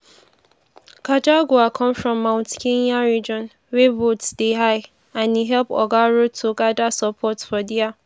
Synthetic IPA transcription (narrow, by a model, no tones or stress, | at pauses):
kʰad͡ʒaɡuakʰɔ̃mfɹɔ̃mːãʊ̃ntkʰẽnaɹid͡ʒɔ̃n | wɛbotsd̥eɦaɪ | ãniɦɛlpɔ̰ɡaɹotʰːuɡadasəpʰɔtfɔdia